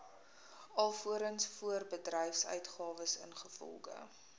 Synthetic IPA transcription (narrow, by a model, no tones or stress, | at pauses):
ɐlˠfuəɾənsfuərbədrɛjfsœ̰ɥtχɑːvəsə̰nχəfɔ̰lˠχə̰